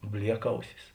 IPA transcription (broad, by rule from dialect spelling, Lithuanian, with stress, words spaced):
ˈbʲlʲiɛkˌɐʊsʲɪs